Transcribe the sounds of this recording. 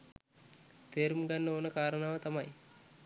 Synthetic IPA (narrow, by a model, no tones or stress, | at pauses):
t̪eːɾumɡanːəoːnəkaːɾənaːʋət̪amɐj